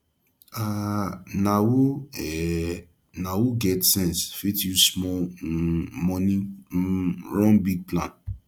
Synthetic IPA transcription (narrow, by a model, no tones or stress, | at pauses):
a | nawoɛ | nawoɡɛtsɛ̃nsfitjusmɔ | mɔ̃nĩ | ɹɔ̃nbiɡ̚plãn